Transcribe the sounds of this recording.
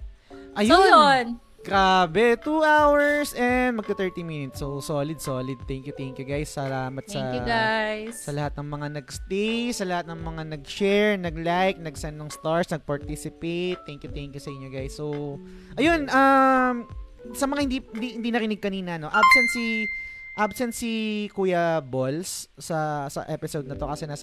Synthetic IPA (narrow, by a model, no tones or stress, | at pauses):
ʔɐjonon | kaːbɛt̪uʔawɛɹsʔɛnd̪̚mɐɡ̚kɐt̪ɛɹt̪iminɪt̪sowsoːlɪd̪̚soːlɪd̪̚tɛŋkjʊt̪ɛŋkjʊɡajsːɐlaːmɐt̪sɐŋɡajsɐlɐhat̪̚nɐŋmɐŋanɐɡst̪ejsɐlɐhat̪̚nɐŋmɐŋanɐɡ̚ʃɛɹnɐɡlajk̚nɐɡsɛnːɐŋst̪aɹsnɐɡ̚pɐɹt̪isɪpet̪ːɛŋkjʊt̪ɛŋkjʊsɐʔɪɲːoɡajsːow | ʔɐjonʔɐm | sɐmɐŋahɪnd̪iɪnd̪ihɪnd̪inɐɾɪnɪɡ̚kɐniːnɐno̞ʔabsɛnsiʔabsɛnsikuːjɐbolsːɐsɐ̰ʔɛpɪsowd̪nɐt̪o̞kɐsɛnaːsɐ